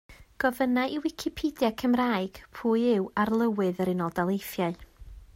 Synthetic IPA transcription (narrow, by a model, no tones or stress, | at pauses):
ɡ̥ɔvənaʔɪwɪkʰɪpʰidjakʰəmraːɨɡ̥pʰuːjɪwarlˠəwɨðəɾɪnɔlˠdalˠejfjaɨ